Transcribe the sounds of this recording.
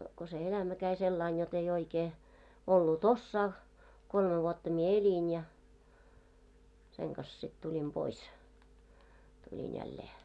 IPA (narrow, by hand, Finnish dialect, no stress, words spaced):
ko se elæmæ kæi selːɑin jot ei oikeː olːut osːɑː kolme ʋuotːɑ mie elʲin jɑ seŋ kɑs sit tulʲim pois tulʲin jælːeː